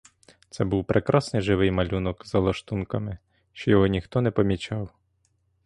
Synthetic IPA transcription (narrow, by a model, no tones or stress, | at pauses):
t̪sɛbuwpɾʔekɾɑsnɪjʒɪʋɪjmɐlʲunɔkzɐlˠɐʃt̪unkɐmɪ | ʃt͡ʃɔjɔɦɔnʲixt̪ɔnɛpɔmʲit͡ʃɑw